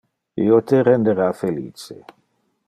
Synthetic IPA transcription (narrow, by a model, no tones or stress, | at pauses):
ḭot̪eɾend̪eɾafelḭːt͡ʃe